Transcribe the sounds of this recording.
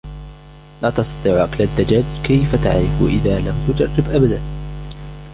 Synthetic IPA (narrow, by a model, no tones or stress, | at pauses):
laːt̪ɑsˤt̪ɑt̪ˤiːʕʔaklad̪ːad͡ʒaːd͡ʒkajfat̪a̰ʕɾɪfʔɪ̰ðaːlamt̪ʊd͡ʒɑrˤːɪbʔabad̪an